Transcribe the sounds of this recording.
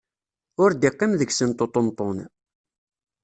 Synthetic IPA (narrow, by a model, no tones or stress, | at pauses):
ʊɾd̪ɪqːimðəɡsənt̪ot̪ˤont̪ˤːon